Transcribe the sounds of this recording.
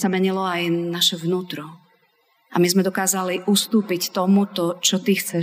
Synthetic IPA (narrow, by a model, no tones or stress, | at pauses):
samɛɲilɔajnaʃɛvnuːt̪ɾɔ | ʔa̰mizmɛd̪ɔkaːzaliʔust̪uːpict̪ɔmut̪ɔt͡ʃɔt̪ixt͡sɛ